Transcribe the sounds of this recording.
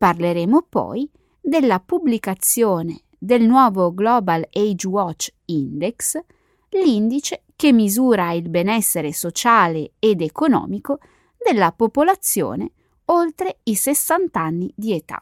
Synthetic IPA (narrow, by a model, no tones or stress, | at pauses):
parleɾeːmopɔ̰j | d̪elːapublikat̪sːjoːne | d̪elnwɔːvoɡlɔːbalejd͡ʒwɔt͡ʃːind̪eks | lind̪it͡ʃekemːizuːɾailbenɛsːeɾesot͡ʃaːleːd̪ekonɔ̰ːmiko | d̪elːapopolat̪sːjo̰ːne | olt̪ɾeisesːant̪anːid̪iet̪a̰